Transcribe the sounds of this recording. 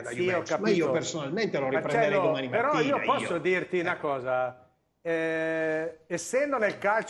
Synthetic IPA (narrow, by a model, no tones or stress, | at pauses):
iɔkːapmaiiːoopeɾsonalment̪eloɾiapɾɛt͡ʃɛd̪eɛd̪omanimapeɾɔiːopɔsːod̪irt̪inakɔːza | ɛ | esːɛnd̪onelkalt͡ʃ